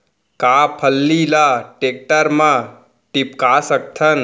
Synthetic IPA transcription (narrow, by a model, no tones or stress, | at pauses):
kapʰəlːilaʈek̚ʈəɾmã | ʈipkasək̚t̪ʰən